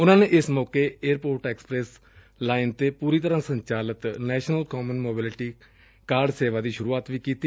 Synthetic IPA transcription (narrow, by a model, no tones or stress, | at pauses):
ʊnãːneːʔɪsmɔːkeːeːɾpoːɾʈɛːksə̥pɾɛːs | laːɪnt̪eːpuːɾiːt̪əɾãːsəɲt͡ʃaːlət̪nɛːʃnəlkɔːmənmoːbɪlɪʈiː | kaːɾɖseːʋaːd̪iːʃʊɾuːaːt̪ʋiːkiːt̪iː